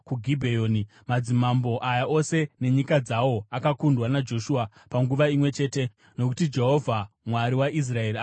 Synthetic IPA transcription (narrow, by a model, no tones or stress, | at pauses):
kuɡʱibʱejoːni | mad͡zimambo̞ʔajaʔo̞se̞ne̞ɲikad͡zawo̞akakundwanad͡ʒo̞ʃua | paŋɡuʋaimwe̞t͡ʃe̞ːte̞ | no̞ku̥tid͡ʒe̞ɦo̞vʱamwaɾiwaʔis̬rae̞ɾia